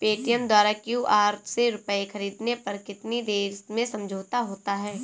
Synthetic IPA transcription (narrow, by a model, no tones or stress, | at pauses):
peːʈɪjənd̪waːɾakjuːʔaːɾt̪ʰseɾʊpəexʰɐɾiːd̪nepɐɾkɪt̪nid̪eːɾmẽsɐ̃md͡ʒʱoːt̪aɦoːt̪aɦɛː